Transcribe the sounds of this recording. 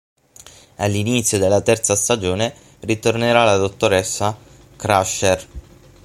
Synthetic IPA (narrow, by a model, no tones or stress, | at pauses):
alːinit̪sːjod̪elːat̪ɛrt̪sast̪ad͡ʒoːne | rit̪orneɾalad̪ot̪ːoɾɛsːa | kɾaʃer